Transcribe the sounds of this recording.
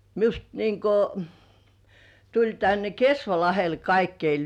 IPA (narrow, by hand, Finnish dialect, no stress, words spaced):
miust niːŋko tulʲ tænːe kesʋɑlɑhel kɑikːei